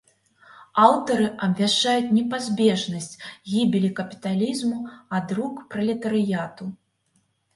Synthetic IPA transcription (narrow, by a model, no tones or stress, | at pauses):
awt̪ɐɾɨʔɐbʲvʲaʂt͡ʂajut͡sʲnʲɛpazʲbʲɛʐnɐsʲt͡sʲɣʲibʲilʲikɐpʲi̥t̪alʲizmuad̪ɾukpɾɐlʲɛt̪ɐɾɨjat̪u